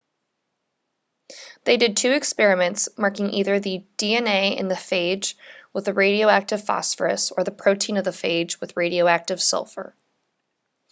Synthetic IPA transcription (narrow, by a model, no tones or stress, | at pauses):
ðeɪdɨd̚tʰʉɨkspɛɹɨmɨ̃ntsmɑɹkɪ̃ŋʔiðə˞ðɨd̥iɛ̃neɪɨ̰̃nðɨfeɪd͡ʒwəðɨɹeɪɾioʊæk̚tɨv̥fɑ̰sfə̰˞ɨ̰sə˞ðɨpʰɹ̥oʊtʰĩnʌvðɨfeɪd͡ʒwɨðɹeɪɾioʊæk̚tɨv̥sʌ̰lˠfə̰˞